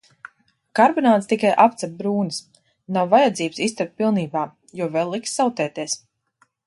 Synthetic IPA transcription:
kaɾbɔnaːt̪st̪ikajʔapt̪sap̚bɾuːnis | nawvajad̪ziːbsist̪ɛpt̪̚pilˠniːbaː | juɔvɛlːˠiksːawt̪ɛːt̪iɛs

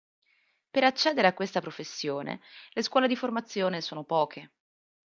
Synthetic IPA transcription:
peɾat͡ʃːɛːd̪eɾeakːwest̪apɾofesːjoːnḛleskwɔːled̪iformat̪sːjoːnesoːnopɔːkʰe

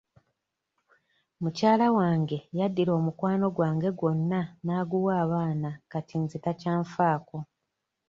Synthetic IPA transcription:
mucaːlawaːŋɡe̞jadːilo̞ːmukwaːno̞ɡwaːŋɡe̞ɡwo̞nːanaːɡuwaːβaːnakatinzitacaːɱfaːko̞

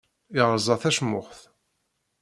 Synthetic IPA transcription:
ɪʁɾzˤɑθæʃmʊχθ

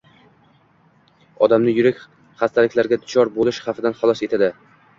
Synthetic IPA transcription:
ɒd̪amnɪjʊɾakʲ | χast̪ʰalɪkʲlaɾɡʲad̪ʊt͡ʃʰɒɾbolɪʃχafɪd̪anχɑlˠɒse̞t̪ʰad̪ɪ

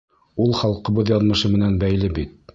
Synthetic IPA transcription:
ulˠχɑlˠqɤ̆βɤðjɑðmɤ̆ʃɤmɘ̆nænbæjlɘbit̪̚

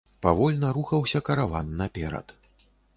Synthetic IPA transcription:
pavɔlʲnɐɾuxɐwsʲɐkɐɾavanːɐpʲɛɾɐ̰t̪

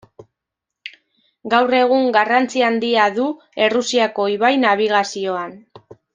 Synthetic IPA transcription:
ɡawre̞ɣ̞uŋɡarant͡siand̪iaðu | e̞rusiako̞iβajnaβ̞iɣ̞asio̞an

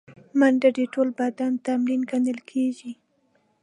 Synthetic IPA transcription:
manɖaɖeʈolbad̪ant̪amlinɡanəlkʰeʒi

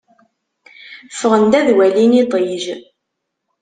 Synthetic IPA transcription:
fəʁənd̪æðwælinit̪ˤiʒ

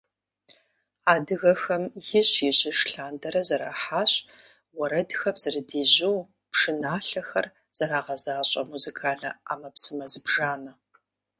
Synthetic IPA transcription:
aːdɨɣɐxɐmjɪɕjɪɕʼɪʂɬaːndɐɾɐzɐɾa̰ːħaːɕʼ | wɐɾɐdxɐpz̥ɨrɨdiːʑuw | pʂɨnaːɬɐxɐr | z̥ɐɾaːʁɐzaːɕʼɐmuzikʰaːɮɐ̰a̰ːmɐpsɨmɐzɨbʐaːnɐ

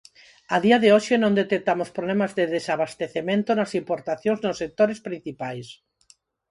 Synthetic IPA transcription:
aðiaðeoʃenõŋd̪et̪ek̚t̪amʊspɾolemazðeðesaβast̪eθemẽnt̪onasimpoɾt̪aθjõŋznosːek̚t̪oɾespɾin̟θipajs

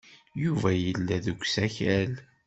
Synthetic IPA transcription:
juvæjəlːæðuɡʷsæçæl

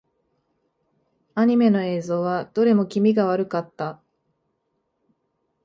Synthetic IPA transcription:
aɲ̟ime̞no̞e̞ːzo̞ːβad̪̥o̞ɾe̞mo̞kʲimʲiɡaβ̞aɾɯ̟kat̪ːa

